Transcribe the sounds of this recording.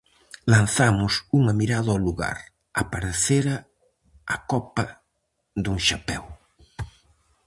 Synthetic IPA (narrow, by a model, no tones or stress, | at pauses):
lanθamʊsuŋɐmiɾaðɐluɣa̰ɾ | apaɾeθeɾɐ | akɔpɐ | ðuŋʃapɛw